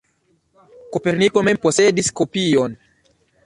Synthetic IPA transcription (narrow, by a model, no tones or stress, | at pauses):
kopeɾnikomemposediskopion